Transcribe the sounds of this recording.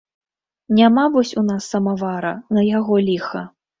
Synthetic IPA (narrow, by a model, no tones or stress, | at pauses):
nʲamavɔsʲunasːɐmavaɾɐ̰nɐjaɣɔlʲixɐ